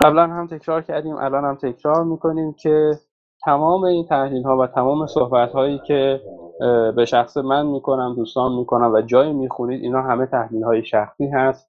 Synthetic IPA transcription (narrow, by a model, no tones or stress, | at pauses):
ɢæblænhæmt̪ʰe̞cʰɾɒːɾcʰæɾd̪iːmʔæ̰lɒːnhæmt̪ʰe̞cʰɾɒːɾmiːkʰo̞niːmcʰe̞ | t̪ʰæmɒːme̞iːnt̪ʰæhliːlɦɒːvæt̪ʰæmɒːme̞sohbæt̪hɒːjiːcʰe̞ | be̞ʃæxsemænmiːkʰo̞næmd̪uːst̪ɒːnmiːko̞næmvæd͡ʒɒːjiːmiːxuniːd̪ḭːnhɒːɦæme̞t̪ʰæhliːlhɒːjeʃæxsiːɦæst̪